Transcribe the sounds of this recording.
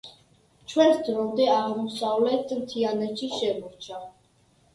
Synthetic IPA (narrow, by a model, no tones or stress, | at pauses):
t͡ʃʰwɛnsd̪ɾɔmd̪ɛaʁmusavlɛt̪ʰmt̪ʰianɛt̪ʃiʃɛmɔɾt͡ʃʰa